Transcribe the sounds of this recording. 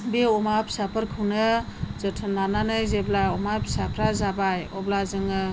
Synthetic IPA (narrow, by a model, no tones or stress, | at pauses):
beɔmapʰi̥sapʰɯɾkʰɯwnɯzɯtʰɯnananɯjzeblaɔmapʰi̥sapʰɾazabajɔblazɯŋɯ